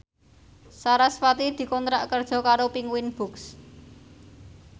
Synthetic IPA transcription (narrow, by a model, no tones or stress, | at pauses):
saɾasfat̪id̪̥i̤kɔnt̪ɾaʔkərd̥ʒ̥ɔ̤kaɾopiŋwinb̥ʊ̤ks